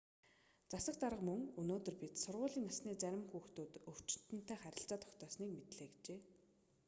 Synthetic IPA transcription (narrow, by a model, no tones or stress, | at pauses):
t͡sasə̆k̚t̪aɾə̆qmɵŋɵnoːt̪ɵ̆rpit̪sʊrʁʊːɮiːŋasniːt͡sæɾʲɪ̆mxuːxt̪uːt̪ɵw̥t͡ɕɪ̥̆nt̪ɘ̆n̥t̪ʰæːχæɾʲɪ̆ɬt͡saːt̪ʰɔ̥kt̪ʰœːsniːkmet̪ɮeːɡit͡ɕeː